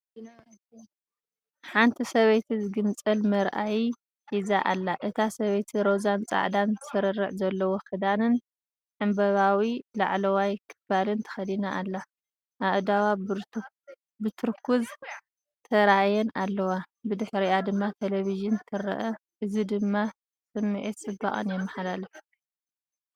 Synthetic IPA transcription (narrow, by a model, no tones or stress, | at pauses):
ħant̪ʰisɐβɐjt̪ʰizɨɡɨnt͡sʼɐlmɐɾʔaji | hizaʔalːaʔɨt̪ʰasɐβɐjt̪ʰiɾozant͡sʼa̰ʕd̪anzɨ̥sɐɾɐrːɨ̰ʕzɐlːɐwokʰɨd̪anɨn | ʕɨmbɐβawilaʕlɐwajkʰɨ̥balɨnt̪ʰɐ̥xɐd̪inaʔːlːa | ʔaʔd̪awabɾ | bɨt̪ʰɨɾkʰuz | t̪ʰɐɾajɛnalːɐwabɨd̪ɨħɾijad̪ɨmːat̪ʰeleβizɨnt̪ʰɨɾɐ̰ʔɐʔɨzid̪ɨmːa | sʼɨmːɨʕit̪sʼɨbːa̰χʼɨ̰njɛmːɐħalalɐfi